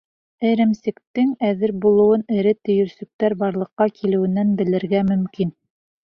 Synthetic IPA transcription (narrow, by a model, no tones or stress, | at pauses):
ɘ̆ɾɘ̆msɘ̆kt̪ɘŋæðɘɾbulˠɤ̆wɤnɘ̆ɾɘt̪ɵ̆jɵ̆ɾsɵ̆k̚t̪æɾbɑɾlˠɤ̆qːɑkʰilɘ̆wɘ̆nːænbɘ̆lɘ̆ɾɡæmɵ̆mkin